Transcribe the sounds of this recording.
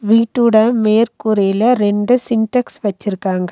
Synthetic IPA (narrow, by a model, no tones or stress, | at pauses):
ʋiːʈːɯɽɐmeːɾkuɾeːlɐɾɛɳɖɯsɪɳʈɐksʋɐt͡ʃːɪɾɯkːaːŋɡɐ